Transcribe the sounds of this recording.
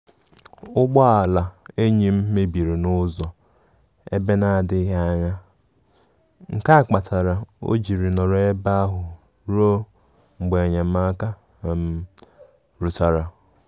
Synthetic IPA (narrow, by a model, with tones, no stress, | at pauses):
ʊ˦ɡ͡bɔ˦a˨la˨e˦ɲi˨m̩˦me˦bi˨ɾe˨nʊ˦zɔ˨ | ḛ˦be˦na˦a˨dɪ˦ɦa˦a˦ɲa˦ | ŋ̩˨ka˦a˨k͡pa˨tʰa˨ɾa˨o̰˦d͡ʒi˨ɾi˨nɔ˨ɾe˦ba˦a˦ɦʊ˨ | ɾo˦ | ŋ͡m̩˨ɡ͡be˨ɲa˨m̩˦a˦ka˦˨ | m̩˦ | ɾu˨ta˨ɾa˨